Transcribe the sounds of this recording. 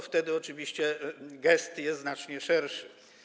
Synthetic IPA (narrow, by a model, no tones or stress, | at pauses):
ft̪ɛd̪ɘɔt͡ʂɘvʲiɕt͡ɕɛɡɛst̪jɛst̪znat͡ʂɲɛʂɛɾʂɘ